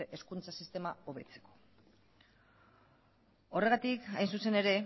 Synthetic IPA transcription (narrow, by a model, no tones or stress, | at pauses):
ʔeskunt͡sasist̪e̞mao̞βe̞t͡se̞̥ko̞̥ | o̞re̞ɣat̪ikajnsuse̞ne̞ɾe̞